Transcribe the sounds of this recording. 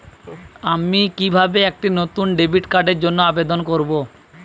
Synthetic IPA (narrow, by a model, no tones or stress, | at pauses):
amikibʱabeɛk̚ʈinot̪unɖebʱiʈkaɖeɾd͡ʑonːoabed̪onkoɾbo